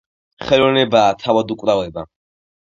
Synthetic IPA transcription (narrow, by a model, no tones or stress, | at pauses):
χɛlɔnɛbaːt̪ʰavad̪ukʼvɾavɛba